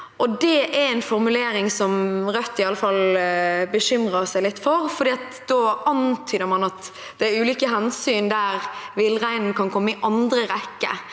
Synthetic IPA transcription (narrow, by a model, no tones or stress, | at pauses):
ʔɔd̪ɛʔæɾɛɪnfɔɾmʉleːɾɪŋsɔmɾœt̪ːɪɑlːəfɑlbəʃʏmɾəsæɪlɪt̪ːfɔɾfɔɾd̪iːɑt̪ | d̪̥oːʔɑnt̪ʰyːd̪əɾmɑnɑt̪ | d̪̥ɛæɾʉːlʏːkəɦɛnsyːnd̪æɾʋɪlːʁæɪnn̩kʰɑnkʰɔmːəɪʔɑnd̪ɾəɾɛkːə̰